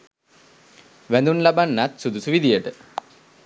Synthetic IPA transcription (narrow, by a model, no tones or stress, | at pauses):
ʋænd̪unlabanːat̪sud̪usuʋid̪ijəʈə